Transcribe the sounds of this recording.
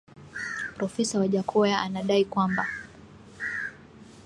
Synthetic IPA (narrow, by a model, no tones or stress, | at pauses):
pɾɔfɛsawaʄakʰɔjaʔanaɗaikwamba